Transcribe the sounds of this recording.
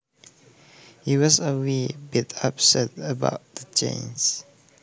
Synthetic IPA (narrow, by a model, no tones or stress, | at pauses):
hiwɔzəwibitʰapsɛtəba̰ʊt̚ðəd͡ʒḛ̃ns